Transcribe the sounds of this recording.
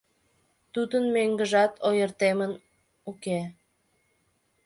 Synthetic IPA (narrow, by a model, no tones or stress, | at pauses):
t̪ud̪ənmøŋɡəʒɑt̪ʰojərt̪emən | uke